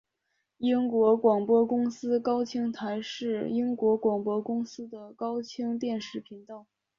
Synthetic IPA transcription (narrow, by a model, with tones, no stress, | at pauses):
i˥ŋkwɔ˧˥kwɑ˨˩ŋpwɔ˥kʊ˥ŋsɹ̩˥kɑ˥ʊt͡ɕʰi˥ŋt̪ʰa˧˥ɪʂɻ̩˥˩i˥ŋkwɔ˧˥kwɑ˨˩ŋpwɔ˥kʊ˥ŋsɹ̩˥d̪ə˨kɑ˥ʊt͡ɕʰi˥ŋt̪jɛ˥˧nʂɻ̩˥˩pʰi˧˥ŋt̪ɑ˥˩ʊ